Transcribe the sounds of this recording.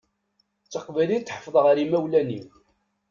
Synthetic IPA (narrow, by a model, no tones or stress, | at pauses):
t͡sːəqvæjlit͡sːħəfðˤəʁəɾimæwlæniw